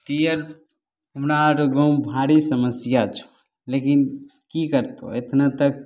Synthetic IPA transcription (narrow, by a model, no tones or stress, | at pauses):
ʈijəɾ | umnaɾɡõbʱaɽisəməsjat͡ʃʰu̥ | lekin | kikəɾt̪o̰et̪ʰnat̪ək